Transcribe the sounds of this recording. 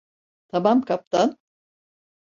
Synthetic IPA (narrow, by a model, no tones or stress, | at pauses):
t̪ʰamamkʰap̚t̪ʰan